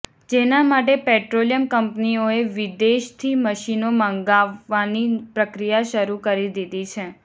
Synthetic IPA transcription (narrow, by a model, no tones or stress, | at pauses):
d͡ʒenamaʈ̬epeʈɾolijəmkəmpnioeʋid̪eʃt̪ʰiməʃinomə̃ŋɡaʋːanipɾəkɾijaʃəɾukəɾid̪id̪it͡ʃʰe